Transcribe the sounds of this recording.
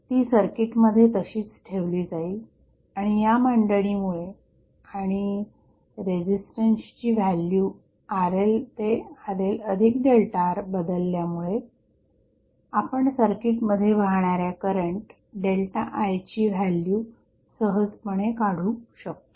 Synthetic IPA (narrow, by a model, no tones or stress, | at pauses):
t̪iːsəɾkiʈməd̪ʱːjet̪əɕiːt͡sʈʰeʋliːd͡zai | aɽ̃ijaməɳɖəɽiːmuɭe | aɽ̃i | ɾed͡ʑisʈənst͡ɕiːʋælju | aɾelt̪eaɾeləd̪ʱikɖelʈaɾbəd̪əlːjamuɭe | apəɳsəɾkiʈməd̪ʱːjeʋəɦɳaɾjakəɾəɳʈ | ɖelʈa̰ʔajt͡ɕiːʋ̤ʱælju | səɦəd͡zpəɽ̃ekaɽ̤uːɕək̚t̪o̥